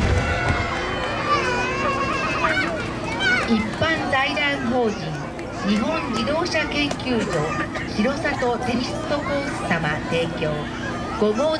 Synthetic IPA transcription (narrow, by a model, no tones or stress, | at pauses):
ipːãndaid̪ãɰɦo̞ːʑĩŋ | ɲiɦõ̞ɲd͡ʑid̪o̞ːɕakẽ̞ŋkʲɨːd͡ʑo̞ | çiɾo̞sat̪o̞t̪e̞ɾʲisɨ̥t̪ːo̞koːsɨ̥t̪amat̪e̞ːkʲo̞ː | ɡ̥o̞ɡo̞ː